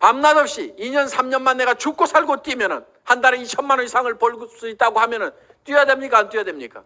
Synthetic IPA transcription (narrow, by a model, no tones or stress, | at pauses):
pamnanʌp̚ɕ͈iiɲʌnsʰamɲʌnmanːe̞ɡat͡ɕuk͈̚ʰosʰaɭɡot͈wimjʌnɯn | handaɾeit͡ɕʰʌnmanʌisʰaŋɯɭpoɭs͈uit̚t͈aɡohamjʌnɯn | t͈wijadwe̞mɲik͈at͈wijadwe̞mɲik͈a̰